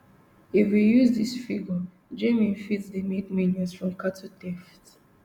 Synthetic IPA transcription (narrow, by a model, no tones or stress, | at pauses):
ifwijuzðisfiɡə | d͡ʒemĩnfitsdemedminjɔsfɹɔ̃mkatʰutɛft